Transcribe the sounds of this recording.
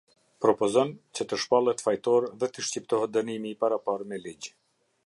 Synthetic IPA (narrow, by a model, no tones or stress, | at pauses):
pɾɔpɔzɔnt͡ɕət̪əʃpalˠɛt̪fajt̪ɔɾðɛt̪əʃcipt̪ɔɦɛt̪̚d̪ənimiːpaɾapaɾmɛlid͡ʑ